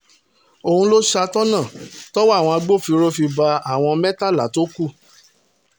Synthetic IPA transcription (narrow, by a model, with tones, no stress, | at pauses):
o˧hũ˧lo˦ʃa˧tɔ˦nã˦˨tɔ˦wa˦˨w̃ɔ̃˧a˧ɡ͡bo˦˨fi˧ɾo˦fi˧ba˧a˦˨w̃ɔ̃˧mɛ̃˦ta˦˨la˨to˦ku˦˨